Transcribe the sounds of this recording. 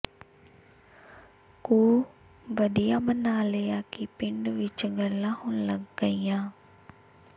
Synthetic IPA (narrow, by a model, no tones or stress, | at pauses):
kuː | ʋəd̪ijaːmənaːlejaːkipɪɳɖʋɪt͡ʃɡəlãːhʊnləɡɡəijãː